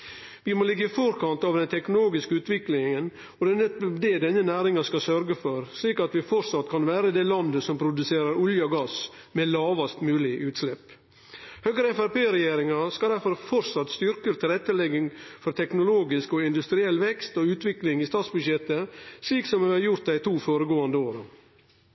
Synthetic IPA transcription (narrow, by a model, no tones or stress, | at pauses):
ʋɪmolɪɡːəɪfɔɾkʰɑnt̪ɑʋd̪ɛnt̪ʰɛknʊloːɡɪskəʉːt̪ʋɪklɪŋən | ɔd̪ɛnɛt̪d̪ed̪ɛnːənæːɾɪŋɑskɑsœɾɡəfɔɾsliːkɑt̪ʋɪfɔɾsɑt̪ːkʰɑnʋæːɾəd̪ɛlɑnd̪əsɔmpʰɾʊd̪ʉseːɾəɾʊljəɔɡɑs | mɛlɑːʋɑst̪mʉːlɪʔʉːt̪slɛpː | høːɡɾəɛfæɾpeːɾɛjeːɾɪŋɑskɑld̪æɾfɔɾfɔɾsɑt̪st̪ʏɾkəɾt̪ʰɪlɾɛt̪ːəlɛɡɪŋfɔɾt̪ʰɛknʊloːɡɪskɔɪnd̪ʉst̪ɾɪɛlːʋɛkst̪ɔʉːt̪ʋɪklɪŋɪst̪ɑːt̪sbʉd̪ʃɛt̪ːəsliːksɔmʉɑɾjʊɾt̪d̪æɪt̪ʰuːfoːɾəɡoːɑnd̪əoːɾə